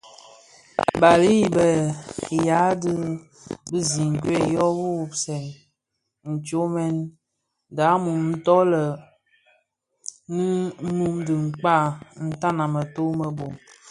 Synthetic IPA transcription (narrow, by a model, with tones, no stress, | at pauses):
ba˨li˦˨bə˨ja˨˦dɨ˦ | bɨ˦zi˨ŋ˨kwe˦˨jɔ˦wu˦˨bsɛ˨n | n̩˨t͡ʃo˦mɛ˦n | da˨˦mu˨mn̩˦tɔ˦lə˨ | nɨ˦nu˦mdɨ˨ŋ͡m̩˨k͡pa˦˨n̩˦ta˦na˨mə˨to˦mə˨bo˨m